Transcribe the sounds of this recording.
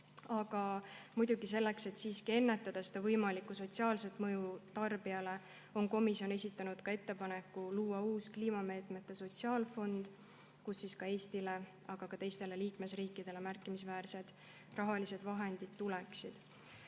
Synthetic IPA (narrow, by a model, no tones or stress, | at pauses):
ɑɡ̥ɑmujd̪̥uɡise̞lːe̞kse̞t̪ːsiːskie̞nːe̞t̪ːˑɑd̪̥ɑsed̪̥ɑvɤjmɑlikːuso̞t̪siɑːlse̞t̪ːˑmɤjut̪ɑrb̥iɑle̞ | o̞nko̞misjo̞ne̞sit̪ːˑɑnud̪̥kɑe̞t̪ːe̞pɑne̞kːuluːɑuːskliːmɑme̞ːt̪ˑme̞t̪ːe̞so̞t̪siɑːlfo̞nd̪̥ | kusːiskɑe̞ːst̪ile̞ | ɑɡ̥ɑkɑt̪e̞jst̪e̞le̞liːkme̞sriːkːid̪̥e̞le̞mærkːˑimisvæːɾse̞d̪̥ | rɑɦɑlise̞d̪̥vɑɦe̞nd̪̥id̪̥̚t̪ːuleksid̪̥